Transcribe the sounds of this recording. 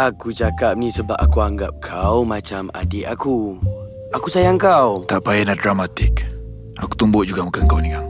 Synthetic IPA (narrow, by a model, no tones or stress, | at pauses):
ʔakut͡ʃakap̚nisəba̰pakuaŋɡap̚kʰawmat͡ʃama̰diʔaku | akusajaŋkawt̪aʔpajanahdɾamat̪ɪk | aku̥t̪umbʊʔd͡ʒuɡamukaŋkawnikaŋ